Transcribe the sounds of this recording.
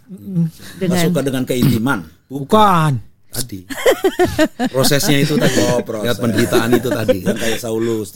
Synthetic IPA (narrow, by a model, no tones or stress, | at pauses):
əasukadəŋankəit̪iman | ukan | t̪adi | pɾosɛsɲait̪ut̪adiɔpɾɔat̪̚pəndəɾit̪aanit̪ut̪adijaŋkajaʔsaulʊs